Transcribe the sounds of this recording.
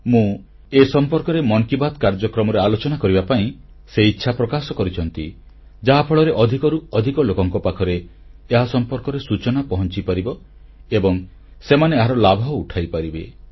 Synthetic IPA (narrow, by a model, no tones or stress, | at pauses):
mũ | esɔmpɔɾkɔɾemɔŋkibat̪kaɾd͡ʒɔkɾɔmɔɾealot͡ʃɔnakɔɾibapaĩ | seitːʃʰapɾɔkasɔkɔɾit͡ʃʰɔnt̪ḭ | d͡ʒaɦapʰɔɭɔɾeʔɔd̪ʱikɔɾuɔd̪ʱikɔlokɔŋkɔpakʰɔɾeːɦasɔmpɔɾkɔɾesut͡ʃɔnapɔɦɔnt͡ʃipaɾibɔ | ebɔŋ | semaneeɦaɾɔlabʱɔuʈʰajpaɾibe